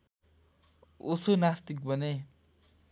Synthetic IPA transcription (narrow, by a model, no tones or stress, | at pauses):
usonast̪ik̚bʱʌne